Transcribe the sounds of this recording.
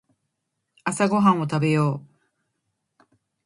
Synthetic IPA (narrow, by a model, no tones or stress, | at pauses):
asaɡo̞ɦãɰ̃ot̪abe̞joː